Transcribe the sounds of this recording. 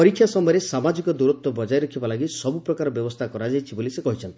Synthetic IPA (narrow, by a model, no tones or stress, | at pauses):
pɔɾikʰːjasɔmɔjɔɾesamad͡ʒikɔd̪uɾut̪wɔbɔd͡ʒajɾɔkʰibalaɡisɔbupɾɔkaɾɔbjɔbɔst̪ʰakɔɾad͡ʒajt͡ʃʰibolisekɔɦit͡ʃʰɔni̥